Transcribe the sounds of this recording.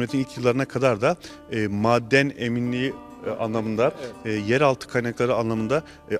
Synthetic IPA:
met̪ʰinilʲcʰjɯlˠːaɾɯnakʰad̪aɾd̪a | maːd̪ːæneminlʲiia̰nlˠamɯnd̪ajɛɾalˠt̪ʰɯ̥kʰajnaklˠaɾɯanlˠamɯnd̪a

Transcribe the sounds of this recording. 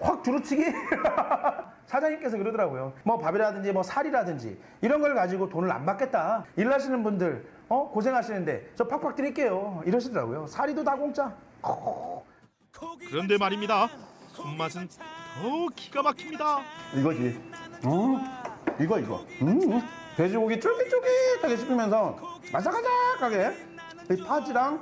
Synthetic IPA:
hwak̚tuɾɯt͡ɕʰiɡe | sʰad͡ʑaŋɲik͈e̞s̬ʰʌkɯɾʌdʌɾaɡojomʌpabiɾadɯnd͡ʑimʌsʰaɾiɾadɯnd͡ʑḭ | iɾʌnɡʌɭkad͡ʑiɡotonɯɭa̰mbak͈e̞t̚t͈aiɭːaɕ̬ʰinɯnbundɯɭ | ʌkos̬ʰe̞ŋɦaɕʰinɯnde̞̰t͡ɕʌpʰak̚p͈ak̚t͈ɯɾiik͈e̞joiɾʌɕ̬ʰidʌɾa̰ɡojosʰaɾidotaɡoŋt͡ɕ͈a | ʌ | kɯɾʌndemaɾimɲidasʰummasʰɯnʌkiɡamakʰimɲidaiɡʌd͡ʑiʌ | iɡʌiɡʌ̰ɯ | te̞d͡ʑuɡoɡit͡ɕ͈uɭɡit͡ɕ͈oɭɡitaɡeɕʰipʰimjʌns̬ʰʌmansʰakʰad͡ʑakaɡe | ipʰad͡ʑiɾaŋ

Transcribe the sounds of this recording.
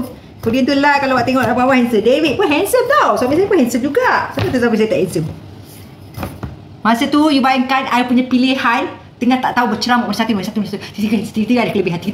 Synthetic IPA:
kudiant̪ulakalawaʔt̪eŋɔʔabawahɛnsəndewit̪̚panɦɛnsəmt̪owsaʔmisajpunhɛnsəmd͡ʒuɡasapat̪ut̪abis̬ajit̪aʔhɛnsəm | mãsət̪ujubajəŋkanajapuɲapilihan | t̪əŋaht̪aʔt̪aubət͡ʃəɾamaʔməsat̪umansat̪umãsat̪usit̪iɡast̪iit̪iɡadəkləbɪhɦat̪ikit̪a

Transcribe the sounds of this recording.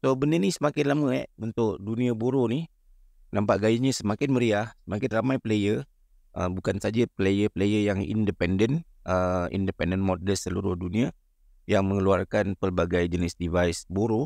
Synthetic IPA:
sobənənisəmakɪt̪laməɛ̰ʔunt̪ʊkduniaboɾoni | lampaʔɡajəɲəsəmakɪtnməɾiahsəmakɪt̪ramajplejə | ʔə̰mbukansad͡ʒapəlejəpəlejəjaŋḭndəpɛndən | əḭndəpɛndənmɔdəlsəluɾʊhdunia | jaŋməŋəluarkanpərbaɡajd͡ʒənɪsdivajsboɾo

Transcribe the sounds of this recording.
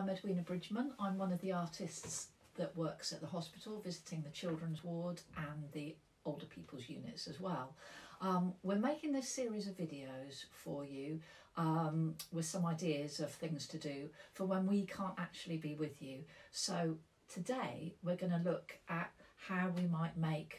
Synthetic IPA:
mədwĩnəbɹɪd͡ʒmə̃nãɪ̃mwʌ̃nəvðiɑˑtʰɪsts | ðəʔwɜˑksəʔ̪̚ðəɦɒspɪtʰˡl̩ˠvɪzɪtʰɪ̃ŋðət͡ʃʰɪlˠdɹə̃nzwɔːdʔə̃nði | oʊlˠdəpʰḭˑpʰəl̩ˠzjʉ̰ːnɪ̰tsəzwɛlˠʔʌ̃mwɪɹmeɪkɪ̃ŋðɪsɪəɹizəvɪdiəʊz̥fəjʉ | ʔʌ̃mwɪð̥sʌ̃maɪdɪəzəv̥θɪ̃ŋz̥tʰədɨfəwə̃nwikʰɑ̃ˑntak̚t͡ʃʉuəlˠibiwɪðjʉsoʊ | tʰədeɪwɪɹɡʌñəlʊkʔət̚haʊwimaɪʔmeɪk

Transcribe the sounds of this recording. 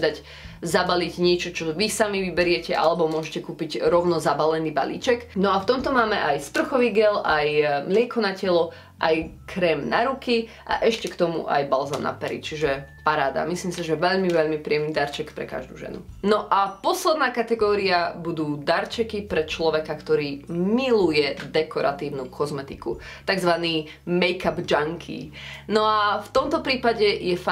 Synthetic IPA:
d̪aɟ | zabaliɟɲɪɛt͡ʃɔt͡ʃɔʋisamiʋibɛɾɪɛcɛʔa̰lɛbɔmʊɔʒɛcɛkuːpiɟɾɔʊnɔzabalɛniːba̰lḭːt͡ʃɛknɔaft̪ɔmt̪ɔmaːmɛʔajsp̪r̩xɔʋiɡɛlajmlɪɛkɔnacɛlɔ | ʔajkʰɾɛːmnaɾuki | ʔa̰ʔɛʃcɛkt̪ɔmṵʔa̰jbalzanna̰pɛɾḭt͡ʃiʒɛpaɾaːd̪a̰misliːmsiʒɛʋɛʎmiʋɛʎmipɾiɛmniːd̪aɾt͡ʃɛkpɾɛ̰ka̰ʒd̪ṵːʒɛ̰nṵnɔʔapɔslɛd̪naːkat̪ɛɡɔːɾiabud̪uːd̪aɾt͡ʃɛkipɾɛt͡ʃlɔʋɛkakt̪ɔɾiːmilujɛd̪ɛkʰɔɾʔa̰t̪iːʊnukʰɔzmɛt̪iku | t̪aɡzʋaniː | mɛjkabd͡ʒaŋkʰḭnɔaft̪ɔmt̪ɔpɾiːpaɟɛjɛfa

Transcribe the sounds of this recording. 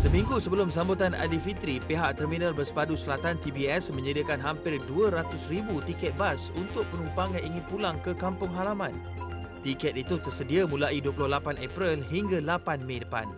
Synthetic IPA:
səmĩŋɡusəbəlʊmsambut̪ana̰difit̪ɾipeɦaʔ̚t̪ərmĩnãlbərsə̥padusəlat̪ant̪ibiɛsmə̃ɲədiakanɦampɪrduəɾat̪ʊsribut̪ikɛt̪̚basunt̪ʊʔ̚pənumpaŋjãŋiŋɪ̃npulaŋkəkampʊŋɦalamãn | t̪ikɛt̪it̪ut̪ərsədiamũlaʔiduəpulʊhlapanɛpɾilɦiŋɡalapanmẽdəpa̰n

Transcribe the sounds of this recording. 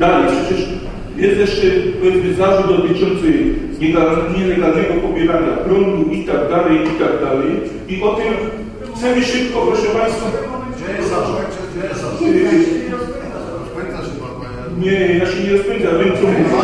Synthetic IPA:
d̪alɛjpʂɛt͡ɕɛʂ | jɛst̪jɛʂt͡ʂɛpɛvnɪzaʐud̪d̪ɔt̪ɨt͡ʂɔnt̪sɛɲɛɡalɲɛlɛɡalnɛɡɔpɔbʲjɛɾaɲakɾɔŋɡ̪uit̪aɡ̚d̪alɛjʔit̪aɡd̪alɛj | iʔɔt̪ɛm | t̪sɛmiʂɨp̚kɔpɾɔʂɛpaj̃st̪fa | ɔzaɔ | sp̪ | a | ɲɛnat͡ʃɛɲɛɾɔspɔvʲĩnd̪avʲɛmɔmu

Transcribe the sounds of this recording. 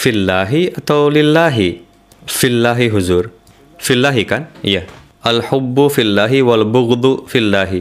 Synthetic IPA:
filːaːɦiat̪aːlɪlːaːɦi | filːaːɦiɦʊzuːɾ | filːaːɦikanjɐ | ɐlħʊbːʊfilːaːɦiwɐlbʊɣd̪ˤʊfilːaːɦi

